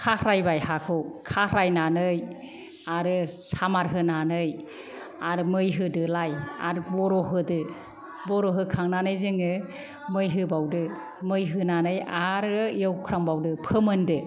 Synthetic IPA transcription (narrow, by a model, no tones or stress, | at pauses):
kʰahʰɾajbajhakʰɯwkʰahɾajnanɯj | aɾɯsamaɾɦɯnanɯj | aɾɯmɯjɦɯdɯlaja̰ɾbɔɾɔɦɯdɯ | bɔɾɔɦɯkʰaŋnanɯjzeŋɯ | mɯjɦɯbawdɯ | mɯjɦɯnanɯjaɾɯjɯwkʰɾaŋbawdɯpʰɯmɯndɯ